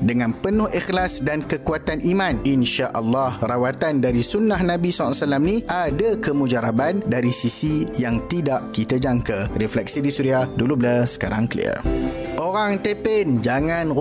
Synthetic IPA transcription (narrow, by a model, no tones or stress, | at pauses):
dəŋãnpənʊhixlasdankəkuat̪anʔimãninʃaʔəlːɑhrawat̪andaɾisunːahnãbisɔlsalamnĩʔadakəmũd͡ʒaɾabandaɾisisijaŋt̪idaʔkit̪ad͡ʒaŋkarɛflɛk̚sidisuɾiahdulubəlasə̥kaɾaŋkəlḭə̰ | ʔoɾaŋt̪epend͡ʒaŋãn